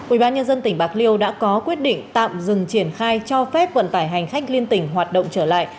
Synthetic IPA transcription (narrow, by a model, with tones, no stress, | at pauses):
ʔʔi˧˩ɓaː˧nɲə˧nzə˧nt̪ï˧˩ŋ̟ɓaː˦˥˩k̚li˧əwɗa̰ː˧˥kɔ˨˦kwi˦˥ət̚ɗḭ̈˧˨ŋ̟tt̪a̰ː˧˨mzɨ˨˩ŋt͡ɕi˧˩ənxaː˧jt͡ɕɔ˧fɛ˦˥p̚və̰˧˨nt̪aː˧˩jɦa˨˩jŋ̟xa˦˥jk̟̚li˧ənt̪ï˧˩ŋ̟ɦwaː˨˩t̚ɗə̰˧˨wŋ͡mt͡ɕəː˧˩la̰ː˧˨j